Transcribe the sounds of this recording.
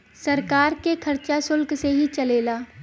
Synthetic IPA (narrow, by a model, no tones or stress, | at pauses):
sɐɾkaːɾkekʰɐɾt͡ʃasʊlkseɦit͡ʃɐleːlaː